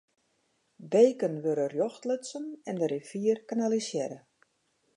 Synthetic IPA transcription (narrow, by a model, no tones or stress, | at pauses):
beːkənʋøɾərjɔxtlətsənɛndəɾefiərkanalisjɛɾə